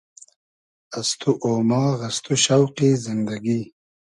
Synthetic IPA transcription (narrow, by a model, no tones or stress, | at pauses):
ast̪uʔoːmɑːɣɐst̪uɕawqizɪnd̪aɡi